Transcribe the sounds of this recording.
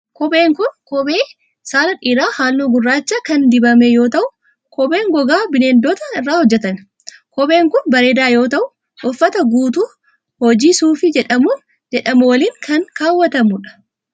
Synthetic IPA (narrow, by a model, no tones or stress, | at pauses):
kɔbe̞ːŋkʊnkɔbeː | saːlɐᶑiːɾaːhaːlːoːɡʊrːaːt͡ʃːɐkɐnd̪ɪbɐmɛjo̞ːt̪ɐʔʊ | kɔbeːŋɡɔɡaːbɪneːnd̪oːt̪ɐɪrːaːhɔd͡ʒːɛt̪ɐn | kɔbeːŋkʊnbɐɾe̞ːd̪aːjo̞ːt̪ɐʔʊ | ʔɔfːɐt̪ɐɡuːt̪̬uː | hɔd͡ʒiːsuːfɪd͡ʒɛᶑɐmu | d͡ʒɛᶑɐmʊwɐliːŋkʰɐŋkaːwːɐt̪ɐmʊᶑɐ̥